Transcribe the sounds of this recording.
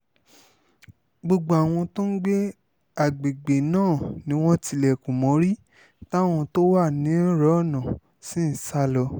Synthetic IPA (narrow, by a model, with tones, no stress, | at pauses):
ɡ͡bo˧ɡ͡bo˧a˨w̃ɔ̃˧to˦n̩˦ɡ͡be˦ | a˦˨ɡ͡be˨ɡ͡be˨nãː˦˨nĩ˨˦w̃ɔ̃˦ti˧lɛ˨kũ˨mɔ̃˨˦ɾi˦ | ta˦˨w̃ɔ̃˧to˦wa˦˨nĩ˨˦ɾɔ˨˦˨nã˨ | sĩ˦n̩˨˦sa˦lɔ˧